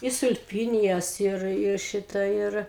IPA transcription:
ɪ sʊlʲˈpʲiːnʲɪjɛs ˈɪr ˈɪr ˈʃʲɪtɐ ˈɪr

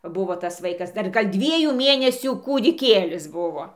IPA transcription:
ˈbʊʋoː tɐs ˈʋɐɪkɐs dɐr ˈɡɐlʲ ˈdʲʋʲiɛjuː ˈmʲeːnʲɛsʲuː kuːdʲɪˈkʲeːlʲɪs ˈbʊʋoː

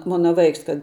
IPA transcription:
ˈmoːnɐ ˈʋɐɪks kɐt

